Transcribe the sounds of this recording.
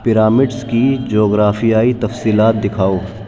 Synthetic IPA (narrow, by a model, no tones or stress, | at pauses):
pɪɾaːmɪɖskid͡ʒoːɡɾaːfijaːit̪ɐfsiːlaːt̪̚d̪ɪkʰaːoː